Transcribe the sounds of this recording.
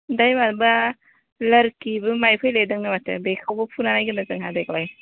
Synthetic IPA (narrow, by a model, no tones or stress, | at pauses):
dajmanbɐ | lɐɾkibɯmajpʰɔjledɐŋnɯmatʰḛbekʰawbɐpʰunanajɡinɐzɯŋɦadek̚laj